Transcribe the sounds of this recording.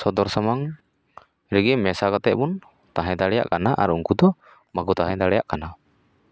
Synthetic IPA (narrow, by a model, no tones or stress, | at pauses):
sɔd̪ɔɾsamaŋ | ɾiɡɛmɛsakat̪ɛʔpun | t̪aɦat̪alɛja̰ʔkanaʔa̰ɾuuŋkut̪ɔ | makut̪aɦajt̪alɛjaʔkana